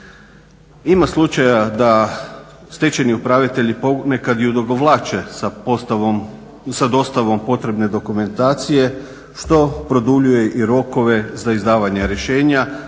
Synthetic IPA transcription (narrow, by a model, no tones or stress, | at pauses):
imaslˠut͡ʃajad̪a | st̪e̞t͡ʃe̞niupɾaʋit̪e̞ʎipo̞ɡne̞kad̪jud̪o̞ɡo̞ʋlˠaːt͡ʃe̞ | sad̪o̞st̪aʋo̞mpo̞t̪ɾe̞bne̞d̪o̞kume̞nt̪aːt̪sije̞ | ʃt̪o̞pɾo̞d̪uʎuje̞ʔiɾo̞ko̞ʋe̞zaizd̪aːʋaɲeɾje̞ʃe̞ːɲa